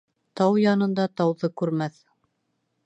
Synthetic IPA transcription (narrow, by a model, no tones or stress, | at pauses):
t̪ɑwjɑnɤ̆nd̪ɑt̪ɑwðɤkʉɾmæθ